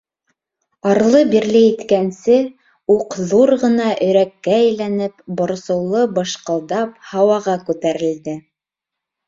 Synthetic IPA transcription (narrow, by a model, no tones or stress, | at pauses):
ɑɾlˠɤbiɾlɘjit̪kænsɘ | uqðuɾʁɤ̆nɑʔɵ̆ɾækːæːjlænɘpbŏɾsɤ̆wlˠɤbɤ̆ʃqɤ̆lˠd̪ɑp̚hɑwɑʁɑkʉt̪æɾɘ̆ld̪ɘ